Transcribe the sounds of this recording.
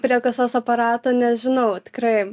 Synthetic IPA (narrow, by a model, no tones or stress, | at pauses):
pʲɾʲiɛkɐsoːsɐpɐɾɑːt̪oːnʲɛʒʲɪnɐʊt̪ʲɪ̥krɐɪ